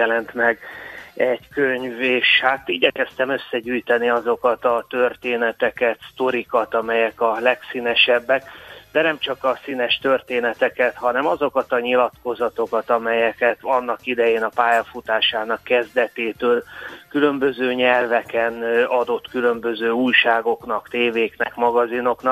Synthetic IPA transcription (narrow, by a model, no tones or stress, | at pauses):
ɛlɛnt̪mɛɡɛɟkøɲveːʃhaːt̪iːɟɛkɛst̪ɛmø̞sːɛɟyːjt̪ɛniɒzo̞kɒt̪ɒt̪ørt̪eːnɛt̪ɛkɛt̪st̪o̞ɾikɒt̪ɒmɛjɛkɒlɛksiːnɛʃɛbːɛkd̪ɛnɛmt͡ʃɒkɒsinɛʃt̪ørt̪eːnɛt̪ɛkɛt̪hɒnɛmɒzo̞kɒt̪ɒɲilɒt̪ko̞zɒt̪o̞kɒt̪ɒmɛjɛkɛt̪ɒnːɒkid̪ɛjeːnɒpaːjɒfut̪aːʃaːnɒkːɛzd̪ɛt̪eːt̪øːlkylø̞mbø̞zøːɲɛrvɛkɛnɒd̪o̞t̪kylø̞mbø̞zøːuːjʃaːɡo̞knɒkt̪eːveːknɛkmɒɡɒzino̞knɒ